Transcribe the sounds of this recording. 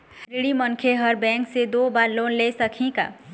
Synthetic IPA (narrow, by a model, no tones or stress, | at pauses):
ɾiɽimənkʰeɦəɾbɛ̃ːŋksed̪oːbaːɾloːnlesəkʰĩka̰ː